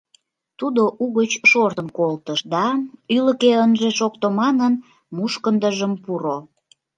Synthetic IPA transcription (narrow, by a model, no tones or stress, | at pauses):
t̪ud̪oʔuɣət͡ɕʃort̪ənkolt̪əʃd̪ɑyləkeənʒeʃokt̪omɑnən | muʃkənd̪əʒəmpuɾo